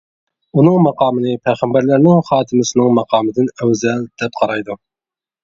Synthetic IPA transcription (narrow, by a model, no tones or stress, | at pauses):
unɨŋmɑqʰɑːmɨnɨpʰɛjʁæmbæɾlæɾnɪŋχɑːt̪ʰɨmɨsɨnɨŋmɑqʰɑːmɨd̪ɪnøwzɛld̪̥ɛp̚qʰɑɾɑjd̪u